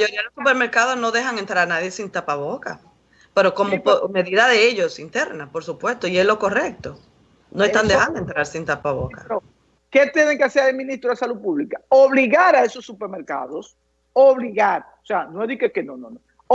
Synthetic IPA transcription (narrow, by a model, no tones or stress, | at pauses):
maʝoɾiaðelosupeɾme̞ɾkaðo̞szno̞ðe̞ɦaŋent̪ɾaɾanaðje̞sint̪apaβo̞ka | pe̞ɾo̞ko̞mopome̞ðiðaðeeʝo̞sint̪e̞ɾnapo̞ɾsupwe̞st̪o̞ie̞slo̞ko̞re̞k̚t̪o̞ | noest̪and̪ehand̪oent̪ɾaɾsint̪apaβo̞kao | ket̪eneŋkeaseaemĩnist̪ɾoðesaluðpuβlikaoβliɣaɾaeso̞sːupeɾmeɾka̰ðos | oβliɣaɾo̥seanoeðikekenonõno